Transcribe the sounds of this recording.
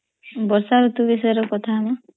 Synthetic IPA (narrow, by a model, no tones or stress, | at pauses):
bɔɾsaɾut̪ubisɔjɔɾɔkɔt̪ʰamɔ